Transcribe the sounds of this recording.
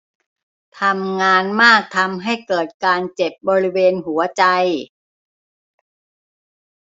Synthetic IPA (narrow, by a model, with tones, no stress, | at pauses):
t̪ʰa˧mŋaː˧nmaː˥˩k̚t̪ʰa˧mɦa˥˩jkɤː˨˩t̪̚kaː˧nt͡ɕe˨˩p̚bɔː˧ɾi˦˥weː˧nɦu˩˦ɐt͡ɕa˧j